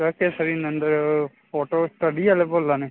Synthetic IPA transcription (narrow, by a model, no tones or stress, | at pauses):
oːkesɐɾinɐ̃nd̪ɐ | foːʈoːsʈɐɖiɐlebolane